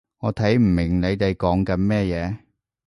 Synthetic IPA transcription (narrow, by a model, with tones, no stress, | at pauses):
ŋɔː˨˧t̪ʰɐ˨˥jm̩˨˩mɪ˨˩ŋne˨˧jt̪e˨jkɔː˨˥ŋkɐ˨˥nmɛː˥jɛː˨˧